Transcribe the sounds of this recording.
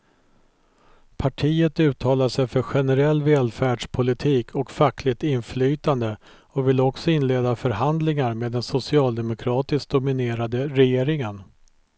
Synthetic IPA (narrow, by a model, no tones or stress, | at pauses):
pʰaʈʰiːət̪ʉ̟ːt̪ʰɑːlaʂɛjfœɾɧɛnɛɾɛlːvɛːlfæːɖʂpʰʊlɪt̪ʰiːkʰɔkfakːlɪk̚t̪ɪnflyːt̪and̪ə | ɔvɪlɔksɔɪnleːd̪afœɾɦand̪lɪŋaɾmeːd̪ːɛnsʊsɪɑːld̪ɛmʊkʰɾɑːt̪ɪsk̚d̪ʊmɪneːɾad̪əɾɛjeːɾɪŋən